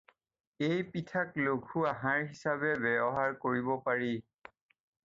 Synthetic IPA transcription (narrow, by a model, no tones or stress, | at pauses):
ejpitʰaklokʰuaɦãɹɦisabɛbɛbɔɦaɹkoɹibɔpaɹi